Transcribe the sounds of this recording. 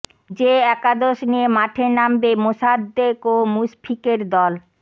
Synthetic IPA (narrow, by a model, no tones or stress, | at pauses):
d͡ʑeɛkad̪oʃniemaʈʰenambemosad̪ːekomuspʰikeɾd̪ɔl